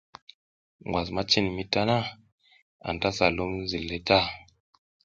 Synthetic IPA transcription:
ŋɡwa˨sma˦t͡ʃi˦n˨mi˦ta˦na˦ | a̰˨n˨ta˦sa˨lu˦m˦zi˨lːe˦ta˦˨

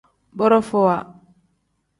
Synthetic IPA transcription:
bɔ˦ɾɔ˦fɔ˨wa˨

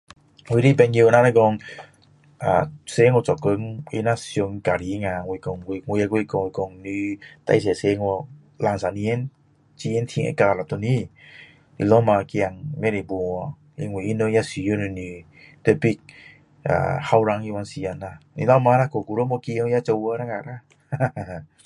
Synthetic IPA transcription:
wi˧˦ɾi˦˨bɛ˧nji˧na˦na˦ɡɔ˧ŋ | a̰˨se˧˦ŋɔ˧˨t͡ʃɔ˨kə˧˦ŋḭ˧˦na˦sjo˧ŋka˨ɾi˨˦ŋa˧˨ŋwi˧˨kɔ˧˨ŋwŋwi˧a˧kwkɔ˧˨ŋwi˧kɔ˧˨ŋni˧t̪a̰˧js̬ɛ˨se˧˦ŋɔ˧ | la˧ŋsa˨ni˧ɛ˦n | t͡ɕi˧ɛ˦nt̪ʰi˧ŋʔḛ˧˦ka˧˨la˨˩t̪ɔ˧ni˦ | nḭ˧˨lɔ˦ma˧ki˧a˧ŋmɛ˦ɾe˨bu˨˧ | ḭ˧ŋwi˧˨ʔi˦no˧˦ja˦si˧˨ju˧˦ni˧˨ni˧˩ | t̪e˧˦pi˦k̚ | ʔa̰˨ha˧wɾa˧˦ŋi˧wa˧˦nsi˧a˧˨na˧nḭ˧˨la˦ma˧˦na˦ko˨ku˧ɾo˦mɔ˧ki˧ŋ˧ja˦t͡ʃə˧wə˧˦ɾa˦ŋa̰˨ɾa˦˧

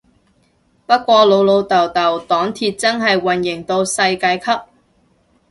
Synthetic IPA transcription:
pɐ˥t̚kʷɔː˧lo˨˧wlo˨˧wt̪ɐ˨˩wt̪ɐ˨˩wt̪ɔː˨˥ŋt̪ʰiː˧t̚t͡sɐ˥nɦɐ˨jwɐ˨˩njɪ˨˩ŋt̪o˧wsɐ˧jkaː˧jkʰɐ˥p̚

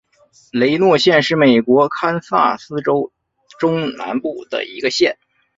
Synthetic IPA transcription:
le˧˥ɪnwɔ˥˧ɕjɛ˥˧nʂɻ̩˥˩me˨˩ɪkwɔ˧˥kʰa˥nsa̰˥˩sɹ̩˥ʈ͡ʂo˥ʊ | ʈ͡ʂʊ˥ŋna̰˧˥npu˥˩d̪̥ə̰˩ḭ˧˥ɡə˧ɕjɛ˥˩n

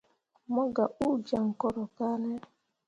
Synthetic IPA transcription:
mɔ˦ɡa˨ʔu˦˨d͡ʒa˨ŋ̩˨kɔ˦ɾɔ˨ka˦ne˦

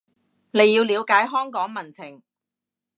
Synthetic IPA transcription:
ne˨˧jːi˧wliː˨˧wkaː˨˥jɦœː˥ŋkɔː˨˥ŋmɐ˨˩nt͡sʰɪ˨˩ŋ

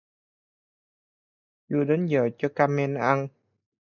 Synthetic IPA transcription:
zu˨˧˩ɗe˨˦nzəː˨˩t͡ɕɔ˧kaː˧me˧nʔa˧n

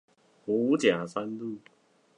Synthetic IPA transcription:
hu˨˦t͡ɕjã˨˩sa˦nlu˥˨

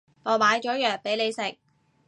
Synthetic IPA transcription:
ŋɔː˨˩maː˨˧jt͡ʃɔː˨˥jœː˨k̚pe˨˥jle˨˧jsɪ˨˩k̚

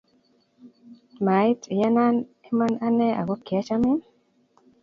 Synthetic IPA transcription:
ma˨i˦tja˦na˦n | e˦ma˦na˦nɛ˦ʔa̰˨ɡɔ˦ki˨a˦t͡ʃa˦mɪ˦n

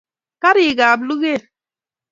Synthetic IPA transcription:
ka˦ɾi˨ɡa˨blu˦ɣe˦˨

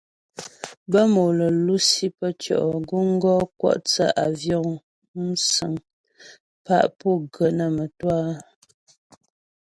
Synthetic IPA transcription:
bə˦mo˨lə˨lu˦si˦pə˦t͡ʃɔ̰˨ʔɡu˦ŋ̩˦ɡɔ˦kwɔ̰˦ʔt͡sə˦ʔa˨vjɔ˦˨ŋ | m̩˦sə˨ŋ | pa̰˦ʔpɔ˦˨ɡə˨nə˨mə˨twa˦

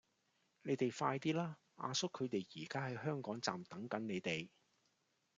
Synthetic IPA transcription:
ne˨˧jt̪e˨jfaː˧jt̪iː˥laː˥ | ʔa̰ː˧sʊ˥kʰːɵ˨˧ɥt̪e˨jjiː˨˩kaː˥hɐ˨jɦœː˥ŋkɔː˨˥ŋt͡sa̰ː˨mt̪ɐ˨˥ŋkɐ˨˥nne˨˧jt̪e˨˩j

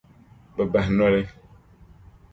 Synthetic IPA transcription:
be˨bɛ˨ɦnɔ˦le˦

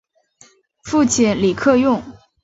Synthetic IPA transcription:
fu˥˩t͡ɕʰɛ˧˥nli˨˩kʰɤ˥˧jʊ˥˩ŋ

